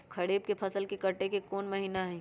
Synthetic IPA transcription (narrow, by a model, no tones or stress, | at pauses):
kʰɐɽeːb̚kepʰɐsəlkekɐʈːekekɔːnmɐɦiːnaɦɛ̃ː